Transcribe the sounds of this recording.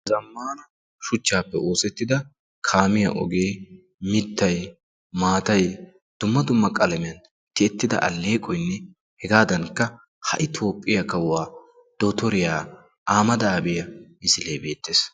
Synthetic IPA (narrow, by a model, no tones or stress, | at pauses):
zɐmːaːnɐ | ʃʊt͡ʃːaːpːɛoːsɛt̪ːɪd̪ɐ | kʰaːmɪjɐ̰ʔɔ̰ɡe̞ː | mɪt̪ːɐj | maːt̪ɐj | d̪̥ʊmːɐd̪ʊmːɐkʼɐlɐmɪjɐn | t̪ɪɛt̪ːɪd̪ɐ̰ʔɐ̰lːe̞ːkʼɔjnːɛ | hɛɡaːd̪ɐnkːɐ | hɐ̰ʔɪt̪ʰo̞ːpʼːɪjɐkɐwːaː | d̪̥ot̪ɔɾɪjaː | ʔaːmɐd̪ɐːbɪjɐmɪsɪleːbe̞ːt̪ːeːs